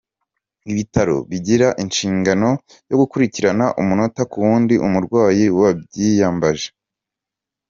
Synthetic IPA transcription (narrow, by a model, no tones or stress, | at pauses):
iβitaɾo̞̰βiɟiɾaʔinʃiːŋɡano̞ | jo̞ɡukuɾiciɾanaʔumuno̞takuwuːndiʔumuɾɡwaːjiwabɟijaːmbaʒe̥